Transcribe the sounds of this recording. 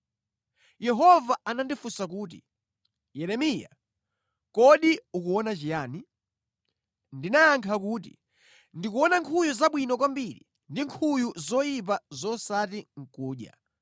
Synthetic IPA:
jɛɦɔvaanandifusak̬uːt̬i̥̰ | jɛɾɛmija̰ | kɔɗiukuwɔnat͡ʃijaːni | ndinaːŋkʰak̬uːtḭ | ndik̬uɔnaŋkʰujuzaɓwinɔkwambiɾḭ | ndiŋkʰujuzɔjip̬azɔsatiŋ̩kuːɗja̰

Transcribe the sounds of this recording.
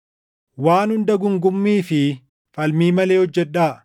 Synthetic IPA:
waːnhʊnd̪ɐɡʊŋɡʊmːiːfɪ | fɐlmiːmɐle̞ːhɔd͡ʒːɛᶑaː

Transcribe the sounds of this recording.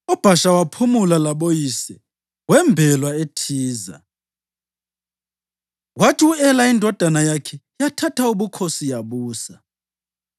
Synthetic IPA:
ɔb̥ʱaʃawapʰumulalaɓojisɛ | wɛmbʱɛlwaetʰiːza̰ | watʰiuɛlaindʱɔd̥ʱanajakʰɛ | jatʰatʰauɓukʰosijaɓuːsa

